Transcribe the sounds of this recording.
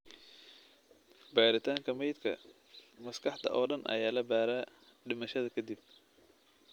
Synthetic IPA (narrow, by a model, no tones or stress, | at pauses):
bɛːɾɪt̪ʰaːŋkʰɐmɛjt̪kʰɐ̰ | mɐskʰɑħt̪ʰɐ̰ʔɔːɖɐnʔɐ̰jaːlɐbaːɾaː | ɖɪmɐʃɐðɐkʰɐd̪ɪb̚